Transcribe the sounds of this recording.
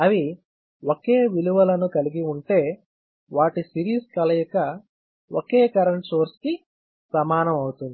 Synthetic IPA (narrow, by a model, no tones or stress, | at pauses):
ɐʋi | woke̞ːʋiluʋɐlɐnukɐliɡiuɳʈe̞ː | ʋaːʈisiɾiːskɐlɐjukɐ | oke̞ːkɐɾɐɳʈsoːɾski | sɐmaːnɐmɐwut̪und̪i